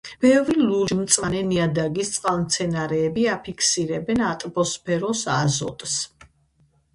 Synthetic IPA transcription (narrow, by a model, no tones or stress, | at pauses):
b̥ɛvɾilud͡ʒmt̪sʼanɛniad̪aɡist̪sʼqʼalˠmt̪sʰɛnaɾɛːbiapʰikʰsiɾɛbɛnat̪ʼbɔspʰɛɾɔsazɔ̰t̪ʼs